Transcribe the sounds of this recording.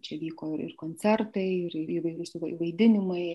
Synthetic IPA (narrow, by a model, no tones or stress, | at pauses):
t͡ʃʲɛʋʲiːkoːɪɾɪ̰rkoːnʲt͡ssʲɛrt̪ɐɪɪɾɪiːʋɐɪɾʲʊsʲɪʋɐʋɐɪd̪ʲɪnʲɪmɐɪ